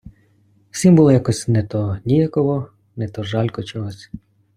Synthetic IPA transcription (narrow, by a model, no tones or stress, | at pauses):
wsʲimbuʊlˠɔjakɔsʲnɛt̪ɔnʲijakɔɦɔ | nɛt̪ɔʒɑlʲkɔt͡ʃɔɦɔsʲ